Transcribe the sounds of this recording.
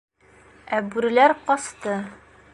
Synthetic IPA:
æbʉɾɘ̆læɾqɒst̪ɤ

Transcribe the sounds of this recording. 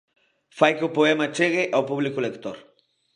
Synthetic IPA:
fajkʊpoemat͡ʃeɣeʔawpublɪkʊlekt̪oɾ

